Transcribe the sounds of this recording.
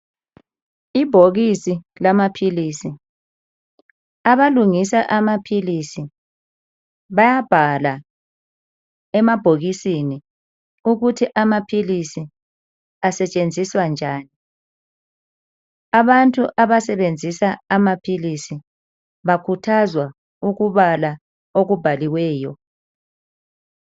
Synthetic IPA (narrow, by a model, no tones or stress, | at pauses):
ib̥ʱoɣisilamapʰilisi | aβaluŋisaʔamapʰilisi | βajab̥ʱala | ɛmab̥ʱoɣisini | uɣutʰiʔamapʰilisi | asɛt͡ʃʼend͡zʱiswand͡ʒʱaːni | aβantʼuʔaβasɛβend͡zʱisaamapʰilisi | βakʰutʰazwa | uɣuβala | oɣub̥ʱaliwɛːjɔ